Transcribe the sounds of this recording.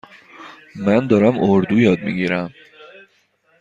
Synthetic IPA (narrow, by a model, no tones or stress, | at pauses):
mænd̪ɒːɾæmoɾd̪ujɒːd̪̚miɟiɾæm